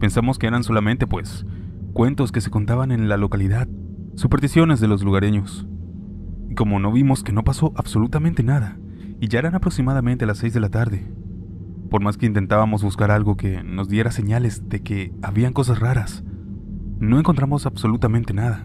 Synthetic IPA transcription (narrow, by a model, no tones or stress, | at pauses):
pe̞nsamo̞ske̞eɾanso̞lamẽnt̪e̞pwe̞s | kwe̞nt̪o̞skese̞ko̞nt̪aβanẽ̞nlalo̞kaliðað | supeɾsisjo̞ne̞zðe̞lo̞zluɣaɾe̞ɲo̞s | iko̞mo̞no̞βimo̞ske̞no̞paso̞ʔaβso̞lut̪amẽnt̪enaða | iʝae̞ɾanapɾo̞ksimað̞ament̪e̞alasːe̞jzðe̞lat̪aɾðe̞ | po̞ɾmaskeint̪e̞nt̪aβamo̞zβuskaɾalɣo̞ke̞̰no̞zðje̞ɾase̞ɲale̞zðe̞ke̞aβiaŋko̞s̬asraɾas | no̞e̞ŋko̞nt̪ɾamo̞sabso̞lut̪amẽnt̪enaða